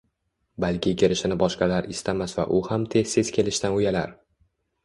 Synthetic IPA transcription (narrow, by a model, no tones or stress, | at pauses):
balkʲɪkʲʰɪɾɪʃɪnɪbɒʃqɑlaɾɪst̪ʰamasva̰ʔʊhamt̪ʰe̞zse̞z̥kʲʰe̞lɪʃt̪anʊjala̰ɾ